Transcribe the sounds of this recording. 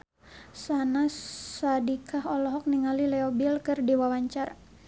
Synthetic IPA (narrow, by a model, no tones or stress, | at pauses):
sanasadikʰaɦɔlɔɦɔk̚niŋalilɛɔbilkɨrdiwawaɲt͡ʃar